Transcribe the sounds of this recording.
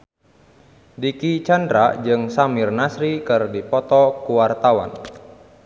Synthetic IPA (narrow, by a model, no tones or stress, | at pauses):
dikit͡ʃandɾad͡ʒɨŋsamirnasɾikɨrdipɔt̪ɔkuwart̪awa̰n